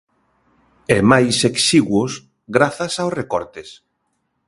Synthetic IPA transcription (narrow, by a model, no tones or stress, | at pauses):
ɛmajseksiɣwʊs | ɡɾaθasawsrekɔɾt̪es